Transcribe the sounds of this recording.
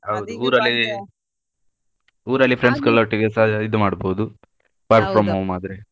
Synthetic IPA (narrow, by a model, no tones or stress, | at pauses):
ɦɐwud̪uuːɾɐlːi | uːɾɐlːipʰɾeɳɖskɐɭoʈːiɡesaid̪umaːɽboːd̪u | paːɾʈpɾɐmːomaːd̪ɾe